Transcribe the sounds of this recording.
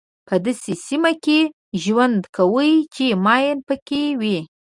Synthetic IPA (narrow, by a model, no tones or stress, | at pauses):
pʰəd̪asesimake | ʒwand̪kʰawəjt͡ʃemɑjɪnpəkewi